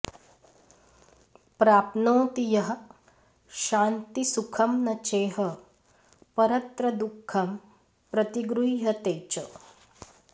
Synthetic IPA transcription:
pɾaːpnoːt̪ijɐɦɐ̆ | ʃaːnt̪isukʰɐmnɐt͡ʃeːɦɐ | pɐɾɐt̪ɾɐd̪ukʰːɐm | pɾɐt̪iɡɾuiɦɐt̪eːt͡ʃɐ

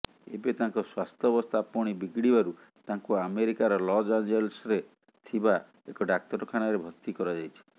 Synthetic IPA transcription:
ḛbet̪ãŋkɔswast̪ʰjɔbɔst̪ʰapɔɽ̃ibiɡɽibaɾu | t̪ãŋkuameɾikaɾɔlɔd͡ʒand͡ʒelsɾe | t̪ʰiba | ekɔɖak̚t̪ɔɾɔkʰanaɾebʱɔt̪ikɔɾad͡ʒajt͡ʃʰi̥

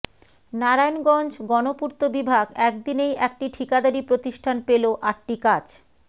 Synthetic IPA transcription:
naɾajonɡɔnd͡ʑɡɔnopuɾt̪obibʱaɡɛk̚d̪inejʔɛk̚ʈiʈʰikad̪aɾipɾot̪iʃʈʰanpeloʔaʈ̚ʈikad͡ʑ

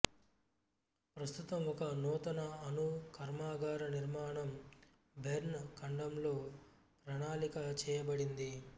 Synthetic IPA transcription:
pɾɐst̪ut̪ɐmɔkɐnɔːt̪ɐnɐːnukʰɐɾmaːɡaːɾɐniɾmaːɳɐm | bʱeɾɳkɐɳɖɐmlo̞ː | pɾɐɳaːlikɐt͡ʃɛːjɐbɐɽind̪i

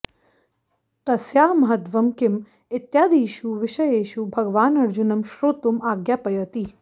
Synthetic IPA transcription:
t̪ɐsjaːmɐɦɐt̪ʋɐmkɪm | ɪt̪jaːd̪iːʃuʋɪʃɐjeːʃubʱɐɡʋaːnɐɾd͡ʒunɐmʃɾoːt̪umaːɡjaːpɐjɐt̪iː

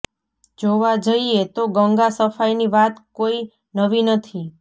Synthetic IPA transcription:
d͡ʒoʋad͡ʒəiet̪oɡəŋɡasəfajniʋat̪koi | nəʋinət̪ʰi

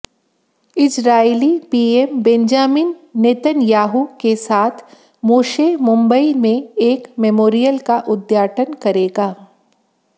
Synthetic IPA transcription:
ɪsɾaːelipiːeːmbɛ̃ɲd͡ʒaːmɪnːeːt̪ənjaːɦukesaːt̪ʰ | moːʃeːmʊ̃mbəimẽeːkmɛmoːɾijəlkaʔʊd̪jaːʈʰənkɐɾeːɡaː

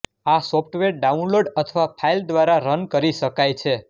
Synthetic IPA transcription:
asopʰʈʋeɾɖaunloɖət̪ʰəʋapʰaild̪ʋaɾaɾənkəɾiʃəkajt͡ʃʰe

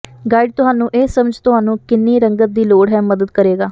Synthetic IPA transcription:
ɡaːɪɖt̪ʊɦaːnũːʔeːsəməd͡ʒt̪ʊɦaːnũːkɪnːiːɾəŋɡət̪̚d̪iːloːɽɦɛːməd̪əd̪kəɾeːɡaː

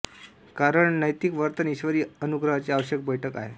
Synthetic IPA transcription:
kaɾəɳnəjt̪ikʋəɾt̪əniɕʋəɾiːənuɡɾəɦat͡seaʋəɕjək̚bəjʈʰəka̰ɦḛ

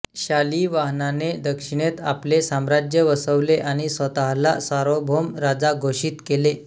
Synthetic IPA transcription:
ɕaliːʋaɦnaned̪əkʂiɽ̃et̪aplesamɾad͡ʑjəʋəsəʋleʔaɽ̃isʋət̪aɦlasaɾobʱomɾad͡zaɡʱoɕiːt̪kele

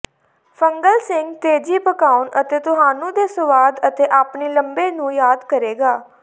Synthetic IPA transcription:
pʰəŋɡəlsɪŋɡt̪eːd͡ʒiːpəkaːʊnʔət̪eːt̪ʊɦaːnũːd̪eːsəʋaːd̪ət̪eːʔaːpniːləmbeːnũːjaːd̪kəɾeːɡaː

